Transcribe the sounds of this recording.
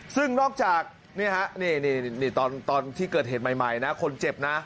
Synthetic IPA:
sɯ˥˩ŋnɔː˥˩k̚t͡ɕaː˨˩k̚ | ni˥˩ɐkʰɛ˦˥ʔniː˥˩niː˥˩niː˥˩t̪ɔː˧nt̪ɔː˧nt̪ʰiː˥˩kɤː˨˩t̪̚heː˨˩t̪̚ma˨˩jma˨˩jna˦˥ʔkʰo˧nt͡ɕe˨˩p̚na˦˥ʔ

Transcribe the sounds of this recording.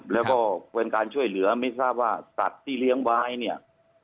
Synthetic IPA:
lɛː˦˥wkɔː˥˩pe˧nkaː˧nt͡ɕʰu˥˩əjlɯ˩˦ɐma˥˩jsaː˥˩p̚waː˥˩sa̰˨˩t̪̚ʰːiː˥˩li˦˥˩əŋwaː˦˥jni˥˩ɐʔ

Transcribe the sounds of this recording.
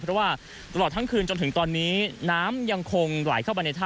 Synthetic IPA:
ɾwaː˥˩ | t̪a˧lɔː˨˩t̪̚ʰa˦˥ŋkʰɯː˧nt͡ɕo˧nt̪ʰɯ˩˦ŋt̪ɔː˧nːiː˦˥naː˦˥mja˧ŋkʰo˧ŋla̰ː˩˦jkʰaː˥˩wma˧na˧jt̪ʰaː˥˩

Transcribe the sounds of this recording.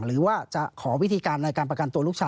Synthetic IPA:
ɾɯː˩˦˥waː˥˩t͡ɕa˨˩ʔkʰɔː˩˦wi˦˥t̪ʰiː˧kaː˧nːa˧jkaː˧npɾa˧ka˧nt̪u˧əluː˥˩k̚t͡ɕʰaː˧

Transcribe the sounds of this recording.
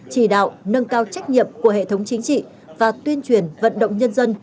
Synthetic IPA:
t͡ɕi˧˩ɗa̰ː˧˨wnə˧nkaː˧wt͡ɕa˦˥jk̟̚ɲḭ˧˨əmku˧˩əɦḛ˧˨t̪ʰə˨˦wŋ͡mt͡ɕï˨˦ŋ̟t͡ɕḭ˧˨ | vaː˨˩t̪wi˧ənt͡ɕwi˨˩ənvə̰˧˨nɗə̰˧˨wŋ͡mɲə˧nzə˧n

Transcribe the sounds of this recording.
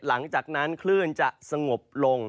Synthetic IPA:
la˩˦ŋt͡ɕaː˨˩k̚na˦˥nkʰlɯː˥˩nt͡ɕa˨˩ʔsa˧ŋo˨˩p̚lo˧ŋ

